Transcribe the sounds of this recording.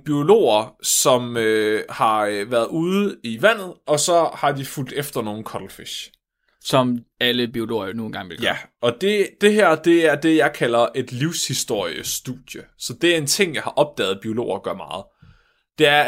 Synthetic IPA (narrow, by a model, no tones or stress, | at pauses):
b̥io̝lo̝̰ːɐsɒ̽møhɑ̈ʋæːɐðˠuðˠiʋæn̰ð̩ˠɒ̽sɒ̽hɑ̈d̥iful̰d̥efd̥ɐno̝ːn̩kʰɒ̽ɾ̥l̩feɕ | sɒ̽mæləb̥io̝lo̝̰ːɐjo̝no̝ːnɡɑ̈ŋ̰ʋelæɒ̽d̥e̝d̥e̝ɦæɐ̰d̥e̝æɐd̥e̝jɑ̈ɪkʰælɐʔe̝d̥liʊshisd̥o̝ɐ̰jəsd̥uð̥jəsɒ̽d̥e̝æɐe̝nt͡sʰe̝ŋ̰jɑ̈ɪhɑ̈ʔɒ̽b̥̚d̥ɛ̰ːð̩ˠb̥io̝lo̝̰ːɐɡ̥ɶɐmɑ̈ːð̞̩ˠ | d̥e̝æɐ